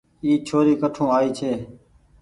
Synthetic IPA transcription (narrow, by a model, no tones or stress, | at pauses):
iːt͡ʃʰoːɾiːkəʈʰõːaːiːt͡ʃʰeː